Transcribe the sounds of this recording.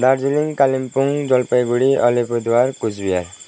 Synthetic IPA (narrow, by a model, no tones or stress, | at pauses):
d̪aɾd͡ziliŋkalimpuŋd͡zɔlpajɡuɽiʌlepʰud̪waɾkud͡zbijal